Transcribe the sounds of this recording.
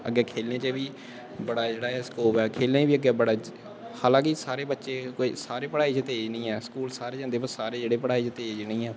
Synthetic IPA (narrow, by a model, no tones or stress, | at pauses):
ə̰ɡɛːkʰeːlnẽːt͡ʃəʋiː | bəɽaːd͡ʒeːɽaːɛːskoːpɛːkʰeːlẽːʋiːəɡɛːbəɽaː | haːlãːkɪsaːɾeːbətːʃeːkoisaːɾeːpəɽaːiːt͡ʃət̪eːd͡ʒnĩːɛːsə̥kuːlsaːɾeːd͡ʒə̃nd̪eːpəsaːɾeːd͡ʒeːɽeːpəɽaːiːt͡ʃət̪eːd͡ʒnĩːɛː